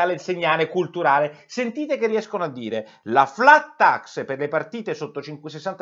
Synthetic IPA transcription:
aleseɲːaːlekult̪uɾaːlesent̪iːt̪ekerːiɛskonoad̪ːiːɾe | laflat̪ːaksperlepart̪iːt̪esot̪ːot͡ʃiŋkwes̬esːant̪

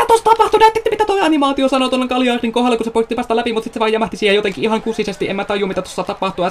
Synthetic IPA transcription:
æt̪ost̪ɑpɑht̪unæt̪ːet̪ːæmit̪æt̪ojɑnimɑːt̪iosɑnot̪onːeŋkɑljɑːriŋkohelːɑkusepoit̪ːipɑst̪ɑlæpimut̪sit̪seʋɑːjæmæht̪isiːhejot̪eŋkiʔiɦɑŋkusisest̪iʔemæt̪ɑjˑumit̪æt̪osːɑt̪ɑpɑht̪uɑ

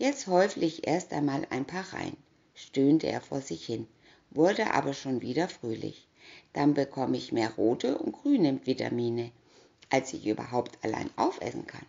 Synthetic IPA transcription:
jɛt͡sthɔʏflɪçʔḛːɐstʔa̰ɪnmaːlʔa̰ɪnpʰaːɐʁa̰ɪn | ʃtøːntəʔḛːɐfoːɐzɪçhɪn | vʊɐdəʔa̰ːbɐʃoːnviːdɐfʁ̥øːlɪ̰ç | d̥anbəkʰɔməɪçmeːɐʁoːtʰəʊ̰nt̚ɡ̥ʁ̥yːnəmtv̥ita̰miːnə | ʔalsɪçʔyːbɐ̰ɦaʊptʰala̰ɪnʔaʊfʔɛ̰sn̩kʰa̰n

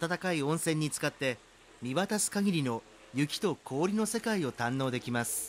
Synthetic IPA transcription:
at̪at̪akaiõ̞ɰ̃sẽ̞ɲ̟ːit͡sɨ̥kat̪ːe̞ | mʲiβat̪asɨ̥kaɡʲiɾʲino̞ | jɯ̟kʲi̥t̪o̞kʰo̞ːɾʲino̞se̞kaio̞t̪ãnːo̞ːd̪e̞kʲimasɨ̥

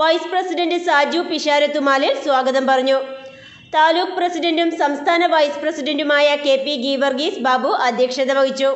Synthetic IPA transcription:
ʋɐjsprɐsiɖɐndɨsaːd͡ʑjupiʂaːɾɐt̪ːumaːlilswaːɡɐðɐmpɐrɐɲːu | t̪aːluːkprɐsiɖɐndumsɐmst̪ʰaːnɐʋɐjsprɐsiɖɐndumaːjɐke̞ːpːiɡiːʋɐrɡiːsbaːbuʔɐd̪ʱjɐkʂɐd̪ɐʋɐɣit͡ɕːu

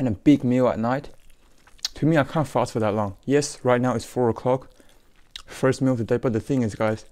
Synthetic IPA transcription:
nəbɪɡ̚milˠə̰t̚ⁿnaɪt | tʰɨmiaɪkʰãntfastfəðətlɔ̃ŋjɛsɹaɪt̚ⁿnaʊɪtsfɔɹəkʰl̥ɔk | fɜstmilɔvðədeɪbʌt̚ðəθɪ̃ŋɪzɡaɪz̥

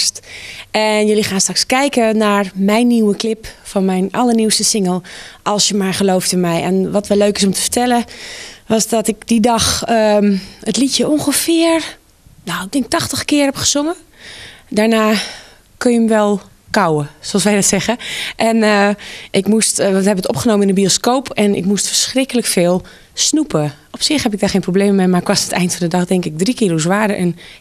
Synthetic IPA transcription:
stɛnjølixaːnstrakskɛjkənaːɹmɛjnːiwəklɪpfɔnmɛjnʔɑləɹniwstəsɪŋəlˠʔɔlˠsjəmaɹχəloːftɪnmɛjɛ̰nʋɔtʋɛløːkɪsɔmtə̥fə̥ɹtʰɛlˠəʋɔsdɔtɪkdidɑxəətlitjəoŋxəfɪəɹ | nadɪŋɪk̚tɔxtəxkɪərhɛpχə̥z̥oŋə | daɹnaː | kønjəmʋɛlˠ | kawəsoɑlˠsʋɛjdɔtsɛɣəʔɛn | ʔɪkmusthɛbəətɔpχənoːməɪnənbioskowpʰɛnɪ̰kmustfəɹsχrɪkələkfɪːlˠ | snupə | ɔpsɪχhɛpɪk̚daɹχeːnprobleːmmemarɪkʋɔsətɛ̰jntfɔndədɑxdɛŋkɪk̚drikɪːrosʋaːdəʔɛ̰n

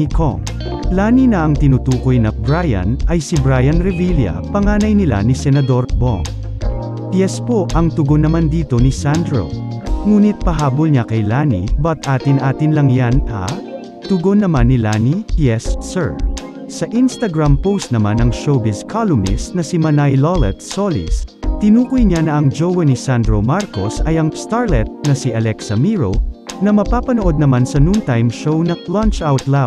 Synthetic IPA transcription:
ikʰo̰ŋ | laːninɐʔɐŋt̪ɪnut̪uːko̞jnɐbɹajɐ̰nʔɐjsɪbɾajɐnɾɛviljɐ̰pɐŋaːnɐjnɪla̰nɪsɛnɐd̪o̞ɾbo̰ŋ | pjɛspo̞ʔɐŋt̪ʊɡonːɐmand̪iːt̪o̞nɪsand̪ɾo̰ŋuːnɪt̪̚pɐɦaːbolɲakɐjlaːnḭbɐt̪ʔaːt̪ɪnʔaːt̪ɪnlɐŋjanʔɐ̰ | t̪ʊɡonːɐmanːɪlanijɛsːɛɹ | sɐʔinst̪ɐɡɹampowst̪̚nɐmanɐŋʃowbɪskʰalomɪ̰snɐsimɐnajlolɛt̪solḭst̪ɪnuːkʊjɲanɐʔɐŋd͡ʒowɐnisand̪ɹomaɾkosɐjɐŋst̪aɹlɛt̪̚nɐsiʔɐlɛksɐmiɹo̰nɐmɐpaːpɐnoʔo̞d̪̚nɐmansɐnunt̪ajmʃownɐlant͡ʃawt̪la

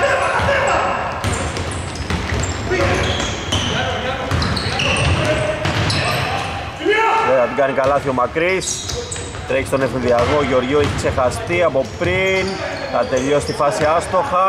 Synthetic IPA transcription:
eɐðiɡɐnikɐlɐθio̞mɐkɾis | t̪ɾeçi̥st̪o̞nefinðiɐɣoʝo̞ɾʝoeçikse̞xɐst̪iɐpo̞pɾin | θɐt̪e̞ʎost̪ifɐsiɐst̪o̞xɐ

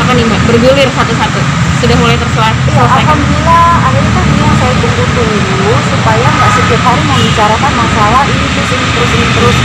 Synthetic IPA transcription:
akanimabərɡulɪrsat̪usat̪u | sudahmulajt̪ərsəlaat̪ijaaapamənilaː | daɲakaniijaŋsajat̪uŋd̪ut̪uŋit̪usupajaŋɡaʔsəp̪it̪ɦaɾiməŋbit͡ʃaɾakanmaŋsalaʔinisəsinit̪əɾʊsinit̪əɾʊs

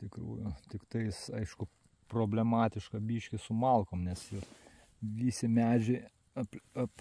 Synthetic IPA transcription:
t̪ʲɪkɾṵːjʊt̪ʲɪkt̪ɐɪsɐɪʃkʊ | proːbʲlʲɛmɑːt̪ʲɪʃkɐbʲiːʃʲkʲɪsʊmɐlˠkoːmnʲɛsjɛʊ | ʋʲiːsʲɪmʲæːd͡ʒʲɪɪ | ɐpɐp

